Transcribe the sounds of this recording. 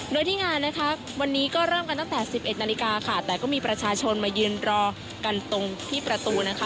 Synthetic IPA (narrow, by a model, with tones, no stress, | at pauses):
du˧˥˩əjt̪ʰiː˥˩ŋaː˧nːa˦˥kʰa˦˥ | wa˧nːiː˦˥kɔː˥˩ɾɤː˥˩mka˧nt̪a˥ŋt̪ɛː˨˩si˨˩p̚ʔe˨˩t̪̚naː˧li˧kaː˧kʰa˥˩t̪ɛː˨˩kɔː˥˩miː˧pɾa˧t͡ɕʰaː˧t͡ɕʰo˧nmaː˧jɯː˧nɾɔː˧ | ka˧nt̪o˧ŋt̪ʰiː˥˩pɾa˧t̪uː˧na˦˥kʰa˦˥